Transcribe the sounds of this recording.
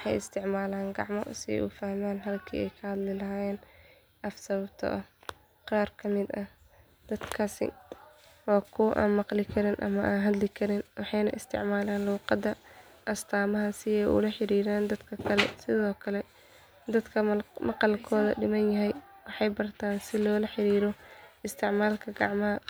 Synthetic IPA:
wɑħɑjɪst̪ʰɪʕmaːlaːŋɡɑ̰ʕmɔ̰sɪɛ̰jʔṵfahmaːnɦɐlkʰḭːʔɛ̰jkʰɐhɐd̪lɪlɐɦaːjɛːn | ʔɐfsɐβɐb̚t̪ʰɐ̰ʔɐh | qaːrkʰɐmɪd̪ɐh | d̪ɐd̪kʰaːsɪ̰ | wɑːkʰʊwʔa̰ːnmɑqlɪkʰɐɾɪnʔɐ̰mɐʔaːnɦɐd̪lɪkʰɐɾɪnwɑħɑjnɐ̰ʔɪst̪ʰɪ̰ʕmaːlaːnluːqɑd̪ɐ | ʔɐst̪ʰaːmɐɦɐsɪɛjʔʊ̰lɐħɪɾiːɾaːnd̪ɐd̪kʰɐkʰɐlɛ̰sɪðɔːkʰɐlɛ | d̪ɐd̪kʰɐmɑqɑlkʰɔːðɐ̰ɖɪmɐnjɐɦɛjwɑħɑjbɐrt̪ʰaːnsɪlɔːlɐħɪɾiːɾɔɪst̪ʰɪʕmaːlkʰɐɡɑ̰ʕmɐhɐ

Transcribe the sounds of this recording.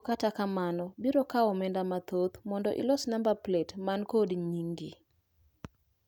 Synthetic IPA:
katakamanɔbiɾokaɔmɛndamat̪ot̪mɔndɔʔḭlɔsnambaplɛtmankodɲiŋɡɪ

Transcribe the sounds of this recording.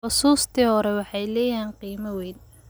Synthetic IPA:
ʊsuːst̪ʰiːhɔɾɛwɑħɑjlɛːjaːnqiːmɐwɛjd̪

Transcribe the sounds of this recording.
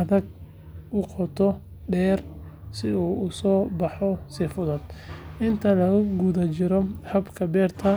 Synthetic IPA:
ɐðɐɡ̚ | ʔʊqɔt̪ʰɔ | ɖɛːrsɪuːʊsɔːbɑħɔsɪfʊðɐd̪̥ʔɪnt̪ʰɐlɐɣʊɡuðɐt͡ʃɪɾɔhɐbkʰɐbɛːrt̪ʰɐ

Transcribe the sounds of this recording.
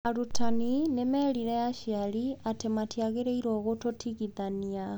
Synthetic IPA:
alutʰaninemeliɾeaʃialiatematjaɣeɾeiɾoːɣototʰiɣiðania

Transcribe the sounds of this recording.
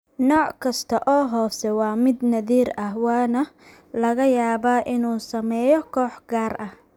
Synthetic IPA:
nɔːʕkʰɐst̪ʰɐʔɔːɦɔːsɛwɑːmɪd̪nɐðiːɾɐhwɑːnɐ | lɐɣɐjaːβaːʔɪnuːsɐmɛːjɔkʰɔːħɡaːrʔɐh

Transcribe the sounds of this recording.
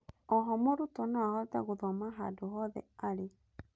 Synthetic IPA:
ɔɦɔmoɾutɔnaahɔtaɣuðɔmaɦa̰doɦɔðɛ̰aɾe

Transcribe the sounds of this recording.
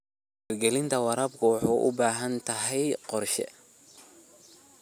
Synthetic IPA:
rɡɛlɪnt̪ʰɐwɑɾaːbkʰʊwɑħuːʔʊ̰baːɦɐnt̪ʰɐɦɛjqɔrʃɛ̰

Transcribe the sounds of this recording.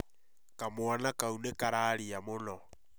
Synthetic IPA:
kamwanakaunekaɾaːɾiamonɔ

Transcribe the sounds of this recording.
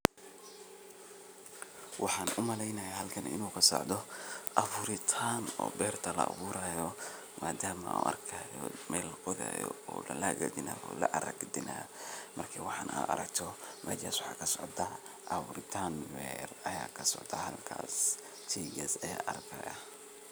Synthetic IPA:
wʔɑħɑːnʔʊmɐlɛjnɐjaɦɐlkʰɐnɪ̰nuːkʰɐsɔ̰ʕd̪ɔʔɐfʊɾɪt̪ʰaːnɔːbɛːrt̪ʰɐlɐʔɐ̰βuːɾaːjɔ | maːd̪aːmɐʔṵːɐrkʰaːjɔmɛːlqʊða̰ːjɔ̰ɔːlɐlaɡɐd̪ɪnaːɔːlɐʔɐɾɐɡd̪ɪnʔaːmɐrkʰɐwɑħɑːna̰ːʔɐɾɐkt̪ʰɔmʔɐd͡ʒaːswɑħɑːkʰɐsɔʕd̪ɐ | ʔɐfʊɾɪt̪ʰaːnbɛrɐjaːkʰɐsɔʕd̪ɐɦɐlkʰa̰ːs | t̪ʰiːɡɐsɐjaːʔɐrkʰɐjɐ

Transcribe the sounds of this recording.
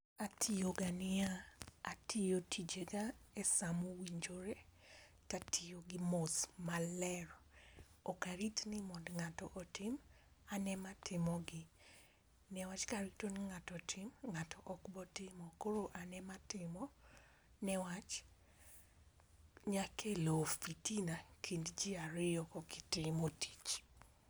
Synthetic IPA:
atʰijoɡanɪaatijotʰid͡ʒeɡaɛsamowiɲd͡ʒoɾe | tatʰijoɡɪmosmalɛr | ɔkaɾitnɪmɔdŋatɔ̰ʔɔtɪm | anɛmatɪmɔɡɪ | nɛwat͡ʃkaɾitoniŋatɔtʰɪmŋatʰɔʔkbɔtɪmɔkoɾoʔanɛmatɪmɔ | nɛwat͡ʃ | ɲakʰelofitinakʰindd͡ʒiaɾɪɔkɔɡɪtɪmoti̥t͡ʃ

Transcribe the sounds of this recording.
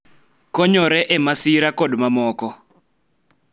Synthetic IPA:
kɔɲɔɾɛʔɛmasiɾakɔdumamɔːkɔ

